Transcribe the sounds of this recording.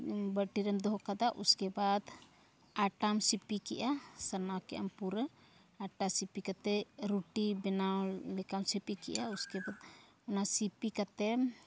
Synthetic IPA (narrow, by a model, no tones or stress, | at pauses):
bəʈiɾɛmd̪ɔɦɔkad̪aʔṵskɛbad̪ | aʈamsipikɛʔasənakɛ̰ʔa̰mpuɾə | aʈasipikat̪ɛɾuʈibɛnawlɛkamsipikɛ̰ʔauskɛbad̪̚ | ɔnasipikat̪ɛm